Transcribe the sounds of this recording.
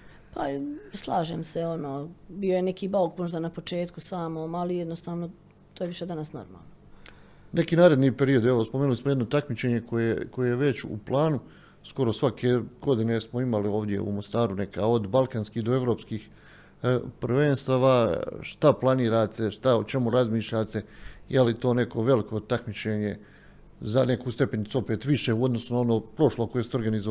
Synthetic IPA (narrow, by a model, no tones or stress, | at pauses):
paslˠaːʒeːmseo̞noːbijo̞jenekiːbaokmoʒd̪anapo̞t͡ʃe̞ːt̪kusaːmoːmalijed̪nost̪aːʋno̞ | t̪oːjeʋiʃe̞d̪anasno̰ɾma̰ːlˠno | ne̞kiːnaːɾe̞d̪nipe̞ɾijod̪eʋo̞spomenulismojed̪no̞t̪akmit͡ɕe̞ɲe̞ko̞jeko̞jejeʋe̞t͡ɕṵplˠaːnu | sko̞ɾo̞sʋakʰe̞ɡo̞d̪ine̞smo̞imalio̞ːʋd̪je̞̰ṵmo̞st̪aːɾune̞ka̰o̞d̪balˠkanskihd̪oe̞ʋɾo̞ːpskiːx | pɾʋenst̪aːʋaʃt̪aplˠaniːɾaːt̪ʰe̞ʃt̪aot͡ʃe̞muɾazmiːʃʎat̪e̞jelit̪o̞ːne̞ko̞ʋe̞liko̞t̪akmit͡ɕeːɲe̞ | zane̞kuːst̪e̞penit̪suope̞ːt̪ʋiʃeuod̪no̞sunao̞no̞ːpɾo̞ʃlˠokojest̪eo̞ɾɡanizo